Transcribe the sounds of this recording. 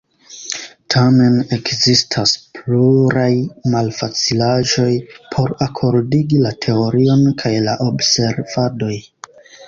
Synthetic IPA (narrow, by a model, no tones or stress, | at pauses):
tʰame̞ne̞kzistʰaspluɾajmalfat͡silaʒo̞jpʰo̞ɾakʰo̞ɾdiɡilatʰe̞oɾio̞nkʰajlaʔo̞bse̞ɾv̥ado̞j